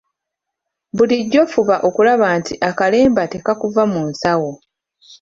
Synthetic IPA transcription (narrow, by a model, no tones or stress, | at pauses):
buliɟːo̞fuβaʔo̞kulaβaːntiʔakale̞ːmbate̞kakuvamunsawo̞